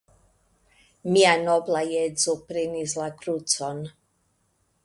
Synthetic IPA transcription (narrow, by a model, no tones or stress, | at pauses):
mianoblajet͡supɾenislakɾut͡son